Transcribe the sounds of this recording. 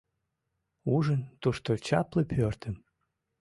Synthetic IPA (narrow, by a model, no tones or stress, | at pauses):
uʒənt̪uʃt̪ot͡ɕɑpləpʰørt̪ʰəm